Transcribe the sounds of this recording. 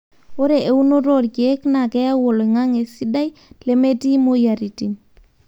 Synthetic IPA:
o˦ɾe˨ʔe˨u˦no˦ɾo˦˨ɾke˦kna˨kɛ˦ja˦wo˨le˨ŋa˦ŋe˨si˦da˦jle˦me˦ti˦mo˦ja˨ɾi˨ti˨n

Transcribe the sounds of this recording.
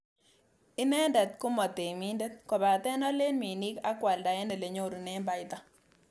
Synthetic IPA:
ɪ˦nɛ˦ndɛ˨t̪̚kʊ˦mɔ˨te˨mi˦ndɛ˦t̪̚kɔ˨ba˨tɛ˦nɔ˦le˦nmi˨ni˦ka˦kwa˨lda˨jɛ˦ne˨le˨ɲo˦ɾu˨nɛ˦mba˨ɪt̪a˦

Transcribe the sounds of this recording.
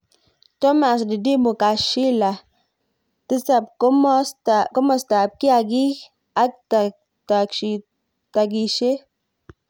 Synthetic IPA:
to˦ma˨s̬di˨di˦mu˨ka˨ʃi˦la˨ | ti˦sa˨pkm˦sta˨ko˦mɔ˨sta˨p̚ki˦a˨ɡi˦ | a˦ta˨ | ta˨kʃi˨ | ta˨ɡi˨ʃe˦

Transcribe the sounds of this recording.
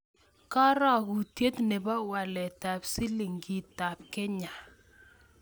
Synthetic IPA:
ka˦ɾa˨ɣu˨tje˦t̪ne˨ba˦wa˨lɛ˨ta˨psi˦li˨ŋɡi˨ta˨p̚kɪ˦ɲa˨

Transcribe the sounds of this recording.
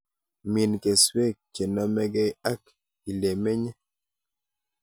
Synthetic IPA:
mi˨nke˨swe˦˨k̚t͡ʃe˨nɔ˦mɛ˦ɡɛ˦a˦k | i˨le˨me˦ɲɛ˦

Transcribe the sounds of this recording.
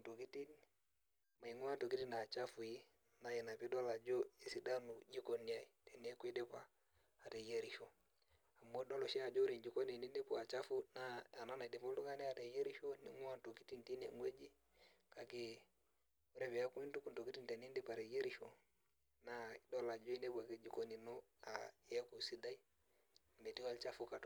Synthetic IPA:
to˨ki˦ti˦n | ma˨i˨ŋu˦a˦nto˨ki˦ti˦na˨t͡ʃa˦fu˨i˦ | na˨jɛ˨na˨pi˦dɔ˦la˨d͡ʒo˦i˦si˨˦da˦nu˨d͡ʒi˦ko˨ni˨a˨i˨te˨n˨e˦ku˦i˦de˦paː˦˨ | tɛ˨je˦ɾi˦ʃo˨ | a˨mːo˦dɔ˦lɔ˨ʃi˦a˨d͡ʒo˦ɾi˨nd͡ʒi˨ko˦ne˨ni˦ndi˦po˦a˨t͡ʃa˦fu˦na˨˦a˨na˦na˨de˨po˦du˦ŋa˦ne˦a˨te˨je˦ɾi˦ʃo˦ni˦ŋu˦a˦˨nto˨ki̥˦ti˦nti˦ne˨ŋwe˦d͡ʒi˦ | ka˨ke˨ | u˦ɾe˦fe˨ja˦ku˦i˦ntu˦ku˨nto˨ki˦ti˦nte˨ni˦ndi˦pa˨ɾe˨je˦ɾi˦ʃo˦ | na˨i˦do˦la˨d͡ʒo˦i˦ne˦pu˨a˨ke˦d͡ʒi˨ko˦ni˨no˦a˨ja˦ku˨si˦da˦i˦˨ | me˨ti˦wa˦lt͡ʃa˦fu˦ka˨t

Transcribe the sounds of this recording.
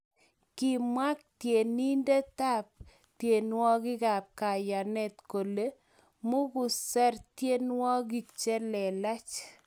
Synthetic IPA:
ki˨mwa˦k̚tje˨ni˦nde˦ta˦p̚ | tje˨nwɔ˦ɡɪ˦ɡa˨p̚ka˨ja˨nɛ˦˨t̪ko˨le˦ | mʊ˦ɡʊ˨sɛ˦ɾtje˦nwɔ˦ɡi˨t͡ʃe˦lɛ˨la˦t͡ʃ

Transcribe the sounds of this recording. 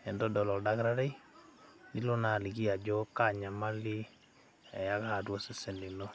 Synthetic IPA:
ɛ˨ndɔ˦dɔ˨lɔ˨lda˦ɡɾa˦ɾa˦j | li˦lo˦na˨li˨ɡi˦a˨d͡ʒɔ˦ka˦˨ɲa˨ma˦li˦ | ɛ˨ja˦ka˦a˨du˦ɔ˦sɛ˦sɛ˨nli˨nɔ˦

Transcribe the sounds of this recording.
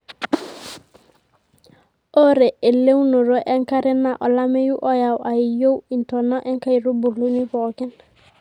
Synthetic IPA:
o˦ɾe˨e˨le˦wnu˨ɾo˦ʔe˦ŋka˦ɾe˦na˦˨ʔo˨la˦me˦ju˦ʔo˦ja˨wʔa˨ji˨jo˦wi˨nto˨na˦ʔe˦ŋka˦i˨ɾu˦bu˨lu˦ni˦po˨ki˦n

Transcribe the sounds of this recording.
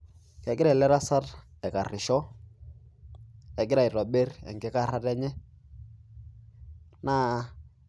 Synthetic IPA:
kɛ˨ɡɪ˦ɾa˨lɛ˦ɾa˦sa˦tɛ˨ka˨rɪ˨ʃɔ˦ | ɛ˨ɡɪ˦ɾa˨i˨ɾɔ˨be˦ɾɛ̰˨ŋɡɪ˦ka˦ɾa˦tɛ˦ɲɛ˦ | na˦

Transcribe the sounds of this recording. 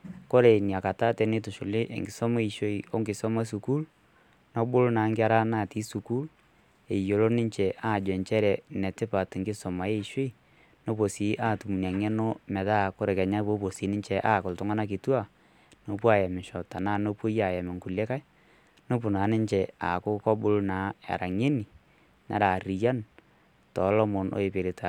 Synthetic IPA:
kɔ˦ɾe˨nja˨ka˨ta˦tɛ˨nɪ˦tʊ˨ʃʊ˨lɪ˦ʔḛ˨ŋɡɪ˨sɔ˦ma˦i˨ʃo˦i˨o̰˦ŋɡɪ˨sɔ˦ma˦su˨ku˦l | nɔ˦bʊ˦lnaː˨˦ŋɡɪ˦a˦ɾa˦naː˨ti˦su˨ku˦l | e˨jo˨lo˦nɪ˦ɲt͡ʃɛ˨ʔa˦˨d͡ʒɛ˨ɲt͡ʃɛ˦ɾɛ˨nɛ˨tɪ˦pa˨tŋɡɪ˦sɔ˨ma˨je˦i˨ʃe˦i˨ | no˦po˨si˨˦ʔaː˦˨tu˨mu˨n˨a˨ŋɛ˦no˦mɛ˨ða˦˨kʊ˦ɾɛ˨kɛ˨ɲa˦po˦po˨siː˨˦nɪ˦ɲt͡ʃɛ˨ʔa˦˨kʊ˨ltʊ˦ŋa˦na˦k̬i˨tu˦a˦˨ | no˨pwa˦˨jɛ˨mɪ˨ʃɔ˨ta˨naː˦no˦po˦ja˨jɛ˨me˨ŋku˨le˦ka˦j | no˦pʊ˨na˨˦nɪ˦ɲt͡ʃɛ˨a̰˨kʊ˦kɔ˦bʊ˦lna˨˦a̰˨ɾa˨ŋe˦ni˨ | na̰˨ɾa˨ɾi˨ja˦n | tɔ˨˦lɔ˦mo˨no̰˨e˨pe˨ɾi˨ta˨

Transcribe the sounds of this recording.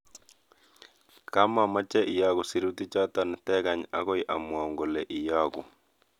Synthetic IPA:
ka˦ma˨ma˦t͡ʃɛ˦ʔɪ˨jɔ˦ɡʊ˨si˨ɾu˦t̪i˦t͡ʃɔ˦t̪ɔ˦nɪ˨tɛ˦ɡa˨ɲa̰˦kɔ˦ɪʔa̰˨mwa˨ŋɡo˨le˨ʔɪ˨jɔ˦ɡṵ˨

